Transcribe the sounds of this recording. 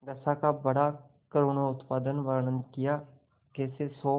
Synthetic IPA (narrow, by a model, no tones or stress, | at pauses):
d̪əsaːkabəɽaː | kəɾoːnoʊt̪paːd̪ənʋaɾanə̃nd̪kɪjaː | keːsesɔː